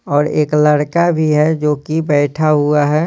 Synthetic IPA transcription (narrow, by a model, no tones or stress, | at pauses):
ɔːɾḛːkləɽkabʱiɦɛd͡ʒoːkibɛːʈʰaɦʊaɦɛ